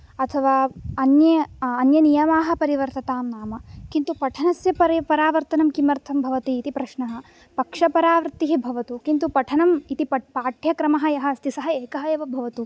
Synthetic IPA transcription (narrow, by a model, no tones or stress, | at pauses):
ɐt̪ʰɐʋaːɐnjɐːnjɐnijɐmaːɦɐ̆pɐɾiʋɐɾt̪ɐt̪aːmnaːmɐkint̪upɐʈʰɐnɐsjɐpɐɾpɐɾaːʋɐɾt̪ɐnɐmkimɐɾt̪ʰɐmbʱɐʋɐt̪iːt̪ipɾɐʃɳɐɦɐ̆ | pɐkʂɐpɐɾaːʋɾt̪ːiɦibʱɐʋɐt̪ukint̪upɐʈʰɐnɐmit̪ipɐpaːʈʰjɐkɾɐmɐɦɐ̆jɐɦɐ̆st̪ʰisɐɦɐeːkɐɦɐjɐʋɐbʱɐʋɐt̪u